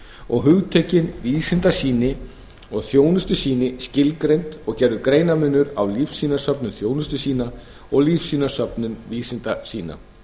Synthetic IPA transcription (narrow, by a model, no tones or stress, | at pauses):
ɔ̰ɣɦʏɣt̪ʰeːcɪnviːsɪnt̪asiːnɪ | ɔɣθjoːwnʏst̪ʏsiːnɪscɪlkɾejnt̪ɔɣcɛɾðʏkɾeːjnamʏnːʏɾawliːfsiːnasœpnʏnθjoːwnʏst̪ʏsiːna | ɔɣliːfsiːnḁsœpnʏnviːsɪnt̪asiːna̰